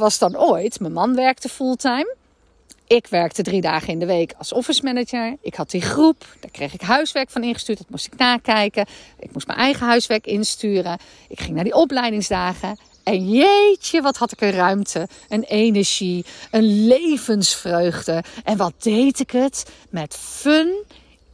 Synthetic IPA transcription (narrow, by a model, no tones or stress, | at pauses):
ʋɑsdɑnoːjtməmɑnʋɛɹk̚təfulˠtɛjm | ʔɪkʋɛɹk̚tədridaːχənɪndəʋejkʰɑlˠsɔfəsmɛnəd͡ʒəɹɪkhɑt̚diχrupd̥aːɹkrejχɪkɦœɥsʋɛɹkfɑnɪnχə̥styːɹtdʋɑtmustɪ̥knaːkɛjkəɪ̰k̚mustmə̰nʔɛjχəɦœɥsʋɛɹkɪnstyːrən | ɪkχɪŋnaːɹdiʔɔplɛjdɪŋzdaːχə | ɛnjejtəʋɑthɑtɪkənrœɥmtʰə | ənejnəɹʒiənlejvənsfrøɥχdəʔɛnʋɑt̚d̥ejtɪkət | mɛtføn